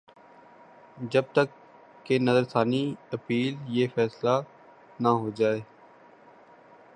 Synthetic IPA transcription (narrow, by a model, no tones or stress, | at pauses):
d͡ʒəb̚t̪əkː | enəzəɾst̪aːniɐpiːljeːfɛːsla | naɦoːd͡ʒaːeː